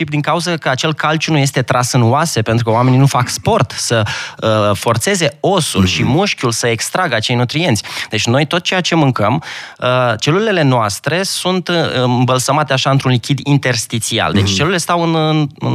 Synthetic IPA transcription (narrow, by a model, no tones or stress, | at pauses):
ipd̪iŋkauzəkəat͡ʃe̞lkalt͡ʃunuje̞st̪e̞t̪ɾasɨnuase̞pe̞nt̪ɾukəoame̞ninufakspo̞rt̪səəfo̞rt̪se̞ze̞o̞sṵlʃimuʃkʲulsəekst̪ɾaɡəat͡ʃe̞jnut̪ɾient̪sʲd̪̥e̞t͡ʃʲno̞jt̪o̞t̪̚t͡ʃejat͡ʃe̞mɨŋkəmət͡ʃe̞luɾilile̞noast̪ɾe̞sunt̪ɨmbəlsəmat̪eaʃaɨnt̪ɾunlikʲid̪int̪e̞rst̪it̪sia̰ld̪e̞t͡ʃʲt͡ʃe̞lulile̞st̪awɨnn